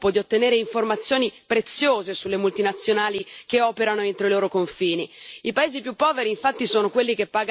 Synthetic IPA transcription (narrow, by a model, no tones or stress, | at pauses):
pod̪iot̪ːeneːɾeiɱformat̪sːjoːnipɾet̪sːjoːzesulːemult̪inat̪sːjonaːlikeɔːpeɾanoent̪ɾoiloːɾokoɱfiːniipaeːzipjupːɔːveɾiːɱfat̪ːisoːnokwelːikepːaːɡ